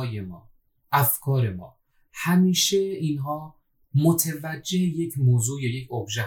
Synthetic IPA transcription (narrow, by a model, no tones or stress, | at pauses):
jemɒ̰ː | ʔæfkʰɒːɾe̞mɒ̰ː | hæmiːʃeinɦɒː | mot̪ʰevæd͡ʒːe̞hejecʰmoːzuːjejecʰobʒæ